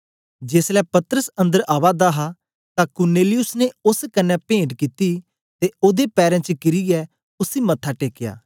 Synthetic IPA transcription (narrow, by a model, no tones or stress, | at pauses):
d͡ʒeːslɛːpɐt̪əɾəsə̃nd̪əɾaːʋad̪aɦaː | t̪ãkʊɾneːlɪjʊsneʊskənːɛpẽːɳʈkit̪i | t̪eoːd̪epɛːɾɛ̃ːt͡ʃəkɪɾiɛː | ʊsiːmɐt̪ʰːaʈeːkɪja̰ː